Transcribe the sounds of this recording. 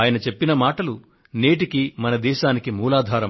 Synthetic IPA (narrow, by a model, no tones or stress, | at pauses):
jɐnɐt͡ʃe̞pːinɐmaːʈɐlu | neːʈikimɐnɐd̪ɛːʃaːnikimuːlaːd̪ʱaːɾɐ